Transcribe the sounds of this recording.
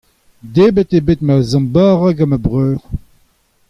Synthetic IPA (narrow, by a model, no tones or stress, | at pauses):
d̪eːbət̪ebet̪mazɑ̃baːʁaɡamabʁøːʁ